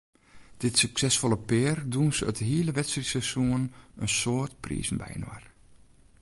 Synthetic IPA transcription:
d̥ɪtsyksɛsfolˠəpɪːərdunsœ̰təɦiələʋɛtsrisəsuənənsoətprḭːzn̩bɛ̰jnwa̰r

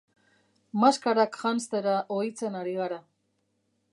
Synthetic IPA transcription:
maskaɾakxanst̪eɾaʔoit͡se̞naɾiɣaɾa

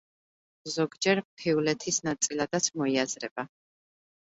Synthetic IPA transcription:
zɔɡd͡ʒɛɾpʰiulɛt̪ʰisnat̪sʼilad̪at̪sʰmɔiazɾɛb̥a

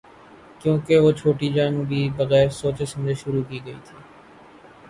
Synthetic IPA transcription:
kjõːkeʋoːt͡ʃʰoːʈiːd͡ʒaːnːbʱiːbəɣɛːɾsoːt͡ʃesə̃md͡ʒeʃʊɾuːkiːɡəḭːt̪ʰiː

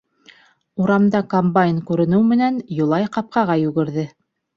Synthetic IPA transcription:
uɾɑmd̪ɑkombajnkʉɾɘ̆nɘwmɘ̆nænjŏlˠɑjqɑp̚qɑʁɑjʉɡɘ̆ɾðɘ

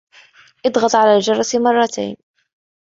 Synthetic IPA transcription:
ʔɑd̪ɣɑt̪ˤʕalaːld͡ʒɑɾˤɑsmɑrˤːɑt̪ʰa̰jn

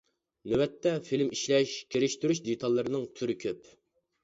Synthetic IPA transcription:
nøwɛt̪ːɛfilmiʃlɛʃkʲʰeɾɪʃt̪yɾyʃd̪et̪ʰɑlˠːɨɾɨnɨŋt̪ʰyɾɪkʲʰøp

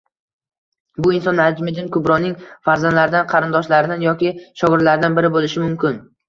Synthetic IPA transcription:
bʊɪnsɒnad͡ʒmɪd̪ɪnkʰʊbɾɒnːɪŋfaɾzanlaɾɪd̪anqʰɑɾɪnd̪ɒʃlaɾɪd̪anjɒkʲɪʃɒɣʊɾlaɾɪd̪anbɪɾɪbolɪʃɪmʊmkʲɪn

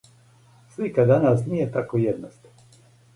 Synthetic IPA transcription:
slikad̪anas̬nijet̪akojed̪nost̪

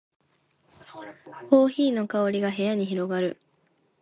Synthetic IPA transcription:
ko̞ːçiːno̞kao̞ɾʲiɡaɦe̞jaɲ̟içiɾo̞ɡaɾɯ̟

